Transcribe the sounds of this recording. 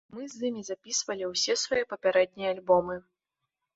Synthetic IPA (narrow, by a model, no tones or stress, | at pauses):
mɨzʲɨmʲizapʲisvɐlʲiwsʲɛsvajɛpɐpʲaɾɛd̪̚ʲnʲɛjɛalʲbɔmɨ